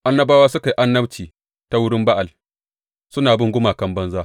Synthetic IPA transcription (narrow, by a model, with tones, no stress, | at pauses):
ʔa˦nːɐ˦baː˦waː˦sʊ˦ka˨i˦ʔa˦nːɐ˦bt͡ʃiː˨ | ta˦wʊ˦ɽɪ˦mba˦ʔa˨l | sʊ˦naː˨bɪ˦ŋɡʷʊ˦maː˨kɐ˦mbɐ˦nzaː˦